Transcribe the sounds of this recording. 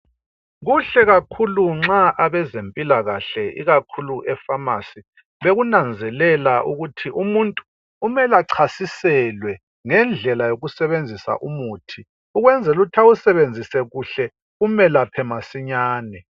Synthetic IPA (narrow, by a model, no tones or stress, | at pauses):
ɣuɬɛɣakʰuluŋ͡ǁaʔaβɛzempʼilaɣaɬɛḭɣakʰuluʔɛfamasi | βeɣunand͡zʱɛlɛlaʔuɣutʰiʔumuntʼuː | mɛlaǀʰasisɛlwɛ | ŋɛnd͡ɮʱɛlajoɣusɛβend͡zʱisa̰ʔumuːtʰi | uɣwɛnd͡zʱɛlutʰausɛβend͡zʱisɛɣuɬɛ | umɛlapʰɛmasiɲaːnɛ